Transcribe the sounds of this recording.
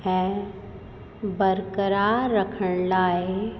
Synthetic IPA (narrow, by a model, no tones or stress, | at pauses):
ɦɛ̃ | bəɾkəɾaːɾːəkʰəɽ̃laːɦe